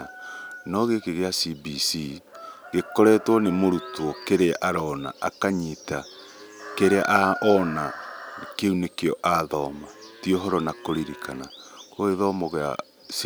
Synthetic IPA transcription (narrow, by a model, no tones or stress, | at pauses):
nɔɣekeɣeasibisiɡekoɾɛːtwɔnemoɾutwɔkeɾeʔaɾɔna̰ʔakaɲita | keɾea̰ʔaʔɔnakeunekeɔʔaðɔmatioɦɔɾɔnakoɾiɾikʰanakoeðɔmɔɣea̰ | s